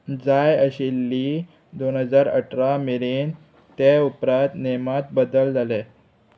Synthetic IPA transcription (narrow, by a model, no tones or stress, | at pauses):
d͡zajəɕilːi | d̪onɦəd͡zaɾə̰ʈʰɾamelen | t̪eupɾat̪nemat̪̚bəd̪əld͡zʱale